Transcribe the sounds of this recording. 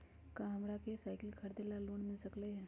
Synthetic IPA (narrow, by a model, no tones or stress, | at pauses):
kaːmɽakesaːɪkɪlkʰɐɾd̪elaluːɳmɪlsɐkleɦɛ̃ː